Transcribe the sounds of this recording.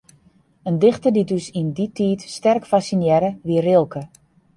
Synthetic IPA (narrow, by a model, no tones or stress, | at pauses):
əndɪxtədidøsinditʰiːtstɛrkfasinjɛɾəʋiərɪlˠkʰə